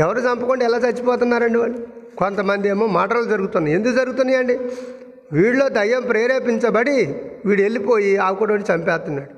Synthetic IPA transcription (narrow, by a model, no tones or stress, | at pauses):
ɛʋɐɾuːt͡ʃɐmpɐkuɳɖɛlaːt͡ʃɐt͡ʃːipɔːt̪unːaːɾɐɳɖiʋaːɭːu | kont̪ɐmɐnd̪ieːmoːmaːʈɐɾlud͡ʒɐɾuɡut̪unːaːje̞nd̪ukud͡ʒɐɾuɡut̪unːajɐɳɖi | ʋiːɽlo̞ːd̪ɐjːɐmpɾeːɾeːpiɲt͡ʃɐbɐɽiʋiːɽe̞lːipo̞ːjiaːkuːɽɐoːnit͡ʃɐmpɛːt̪unːaːɽu